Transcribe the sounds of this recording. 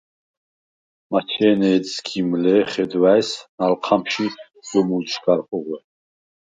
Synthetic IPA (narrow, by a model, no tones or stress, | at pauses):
mat͡ʃʰɛːnɛːskʰimlɛːχɛd̪waɛsnalqʰamʃi | d̪ɔmult͡ʃʰɡaɾχʼɔʁwɛ